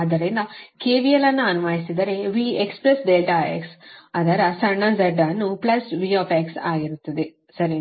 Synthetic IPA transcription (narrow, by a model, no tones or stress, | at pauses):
ɐd̪ɐɾenɐkeːʋijɐlɐnːɐɐnuʋaːjisid̪ɐɾeʋiːekspɾesɖeːlʈaḛksɐd̪ɐɾɐsɐɳːɐd͡ʒɐɖːaːnːuplɐsʋioːpeːksaːɡiɾut̪ːɐd̪e | sɐɾe